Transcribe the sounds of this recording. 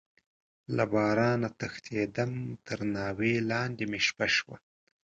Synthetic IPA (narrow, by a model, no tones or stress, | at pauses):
labɑːɾɑnat̪axt̪ʰed̪amt̪ʰəɾnɑːwelɑnd̪emeʃpaʃwa̰